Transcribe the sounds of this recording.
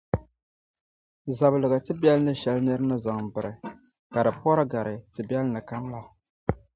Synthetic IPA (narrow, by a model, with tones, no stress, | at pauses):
za˨bɨ˨lɨ˨ɣa˨tɨ˦bɛ˦lnɨ˦ʃɛ˨lnɨ˦ɾɨ˦nɨ˦za˨ŋbɨ˨ɾɨ˨ | ka˨dɨ˨pɔ˦ɾɨ˦ɡa˨ɾɨ˨tɨ˨bɛ˦lnɨ˨ka˦mla˦˨